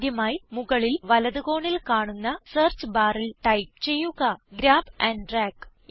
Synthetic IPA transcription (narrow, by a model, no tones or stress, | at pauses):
d̪jɐmaːjmuɣɐɭilʋɐlɐðuɣo̞ːɳilkaːɳunːɐseːrt͡ɕbaːrilʈɐjp̚t͡ɕe̞jːuɣɐɡɾaːbɐnɖraːk